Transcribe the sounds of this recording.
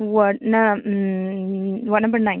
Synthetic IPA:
wʌʈna | wʌtnɐmbəɾnãɪ̃

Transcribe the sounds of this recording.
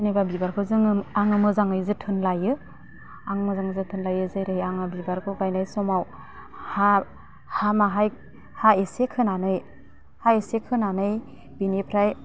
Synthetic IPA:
jnebabibaɾkʰɯwzɯŋɯaŋɯmɯzaŋɯjzɯtʰɯnlajɯ | aŋɯmɯzaŋɯzɯtʰɯnlajɯzɯɾɯjaŋɯbibaɾkʰɯwɡajnajsɔmaw | ha | hamaɦaj | haesekʰɯnanɯj | haesekʰɯnanɯj | binepʰɾaj

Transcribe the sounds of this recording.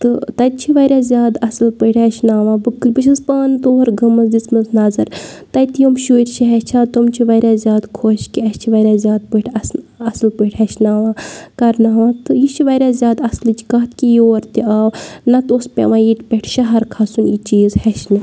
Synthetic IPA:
t̪ɨt̪ɐj̪̚t͡ʃʰiʋɐɾʲaːzʲjaːd̪ɐsɨlpɨʈʲɦɐʃnaːʋãːbɨkɨbɨt͡ʃʰɐzpaːnt̪oːɐɾɡɐmɐsd̪it͡smɐznɐzɐɾt̪ɐjt̪ijomʃuːɾʲt͡ʃʰiɦɛt͡ʃʰaːt̪omt͡ʃʰiʋɐɾʲazʲjaːd̪kʰoːʃkiɐst͡ʃʰiʋɐɾʲaːzʲjaːd̪̚pɨʈʰʲɐsɐslpɨʈʰʲɦɐʃnaːʋãːkɐɾnaːʋãːt̪ɨjiʃʰiʋɐɾʲaːzʲjaːd̪ɐslɨt͡ʃʰi̥kɐt̪̚kijoːɾt̪iaːwnɐt̪ospʲḛʋãːjiʈʲpʲɛʈʰʃɐɦɐɾkʰasunit͡ʃiːzhɐʃnɨ

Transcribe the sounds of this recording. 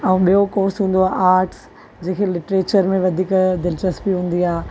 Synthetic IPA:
ɛ̃ũːɓijokoːɾsɦũːnd̪oaːʔaːɾʈs | d͡ʑẽːkʰelɪʈɾeːt͡ɕəɾmẽʋɐd̪ʱiːkd̪ɪlt͡ɕəsbiɦũːn̆d̪iaː

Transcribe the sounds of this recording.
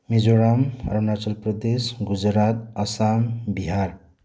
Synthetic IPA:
mid͡zoɾamrʌnat͡ʃʌlprʌd̪esɡud͡zɾat̪ʌsambiɦar

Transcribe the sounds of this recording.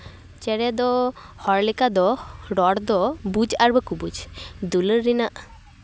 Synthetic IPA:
t͡ʃeɽed̪ɔhɔɾlikad̪ɔɖɔɽd̪ɔbud͡ʒaɾbekubud͡ʒd̪uləɾːinaʔ

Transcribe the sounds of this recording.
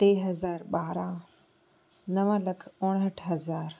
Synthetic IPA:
t̪eːɦɐzaːɾɓaːɾã | nɐʋãːlɐkʰʊɽ̃ɦəʈʰɦɐzaːɾ

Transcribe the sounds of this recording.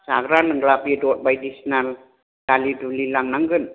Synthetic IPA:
sa̰ɡɾalɯŋɡɾapidɔt̚bajdisnal | dalidulilaŋnaŋɡɯn

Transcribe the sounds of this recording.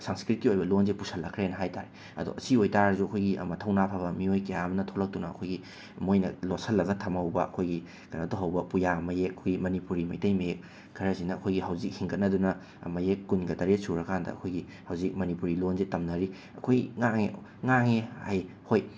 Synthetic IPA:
saŋskɾit̚kiojbɐlonzepusʰɐlːɐkʰɾenɐɦajta̰ɾi | ɐ̰do̰ʔɐsiojtaɾɐzuɐkʰojɡiʔɐ̰mɐtʰɐwnapʰabɐmiojkejamɐnɐtʰolɐk̚tunɐɐ̰kʰojɡi | mojnɐ̰losɐlːɐɡɐtʰɐmɐwbɐɐ̰kʰojɡi | kɐnɐtuɦɐwbɐpujamɐjek̚ɐkʰojɡimɐnipuɾimɐjtɐjmɐek | kʰɐɾɐsinɐːkʰojɡiɦɐwzik̚hiŋɡɐt̚nɐdunɐ | mɐjekːunɡɐtɐɾesuɾɐkʰandɐ̰ɐ̰kʰojɡi | hɐwzik̚mɐnipuɾilonzetɐmnɐɾi | ɐkʰojɡiŋaŋeŋaŋeha̰j | hoj

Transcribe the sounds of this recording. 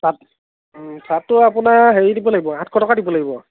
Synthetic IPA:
sat | sʰatːʊapʊnaɦeɹidibɔlaɡibɔãtʰkʰɔtɔkadibɔlaɡibɔ

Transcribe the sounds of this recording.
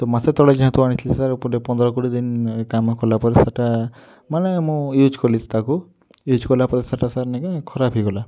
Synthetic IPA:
t̪ɔmaset̪ɔɭed͡ʒiɦãt̪uaɽ̃it͡ʃʰlisaɾpud̪epɔ̃nd̪ɾɔkuʈid̪inkamkɔlapɔɾesaʈa | manemũjud͡ʒkɔlisʰt̪aku | jud͡ʒkɔlapɔɾesaʈasaɾnekekʰɔɾabʱiɡɔla

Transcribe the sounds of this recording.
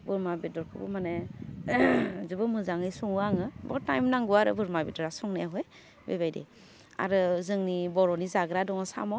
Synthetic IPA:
bɯɾmabidɔɾkʰɯbṵmane | zɯbɯmɯzaŋɯjsɔŋɯaŋɯbɔ̰tajmnaŋɡuaɾɯ̰bɯɾmabidɔɾasɔŋneaɦɔj | bḛbajdḛ | a̰ɾɯzɯŋnibɔɾɔnizaɡɾadɔŋɯsa̰mɔ

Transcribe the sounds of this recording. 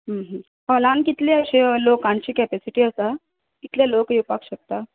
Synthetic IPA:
ɦəmɦə̃ | palankit̪leəɕelokãnt͡ɕiːkɛpɛsiʈiːəsa | kit̪ljalokjepakɕək̚t̪a

